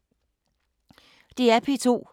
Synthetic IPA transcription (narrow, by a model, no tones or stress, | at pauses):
d̥eæpʰet͡sʰo̝̰ː